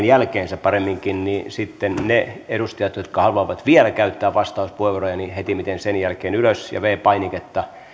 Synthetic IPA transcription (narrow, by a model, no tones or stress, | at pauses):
njælkeːnsæppɑremːiŋkinnisit̪ːenneedust̪ɑjɑt̪jot̪kɑhɑluɑʋɑt̪ʋielækæyt̪ːæːʋʋɑst̪ɑuspueʋorojɑnihet̪imit̪ensenjælkeːnyløsjɑ̰ʋeːpɑiniket̪ːɑ